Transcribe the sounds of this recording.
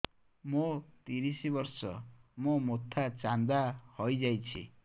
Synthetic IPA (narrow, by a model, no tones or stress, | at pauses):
mot̪iɾisibɔɾsɔ̰momot̪ʰːat͡ʃand̪ahojd͡ʒajt͡ʃʰḭ